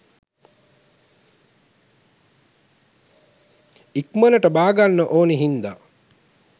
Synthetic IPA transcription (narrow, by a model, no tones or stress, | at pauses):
ikmənəʈəbaːɡanːəʔoːneɦind̪a